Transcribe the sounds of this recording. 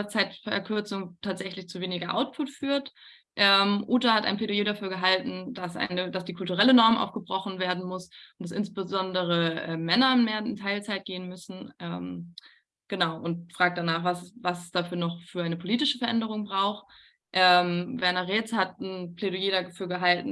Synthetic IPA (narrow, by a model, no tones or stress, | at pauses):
ɐt͡saɪtfɛɐkʰʏɐt͡sʊŋtʰaːtz̥ɛçlɪçt͡suːveːnɪɡɐʔa̰ʊt̚pʰʊtfyːɐt | ʔɛːmʔuːtahatʔa̰ɪnpʰleːdojeːɾafyːɐɡəɦaltn̩dasʔa̰ɪnəd̥asd̥iːkʰʊltuʁɛlənɔɐmʔa̰ʊfɡ̥əbʁɔχn̩veːɐdn̩mʊsʊntd̥asʔɪnsb̥əzɔndəʁ̞əʔɛ̰ːmːɛnɐnmeːɐɪntʰaɪlt͡saɪt̚ɡ̥eːənmʏsn̩ʔɛ̰ːm | ɡ̥ənaʊʔʊntfʁ̥aːk̚td̥anaːχvasvasɛsd̥aːfyːɐnɔχfyːɐʔaɪnəpʰoliːtɪʃəfɛɐʔɛndəʁ̞ʊŋbʁaʊx | ʔɛːmvɛɐnɐʁeːt͡shatn̩pʰleɾojeːɾafyːɐɡəɦaltn̩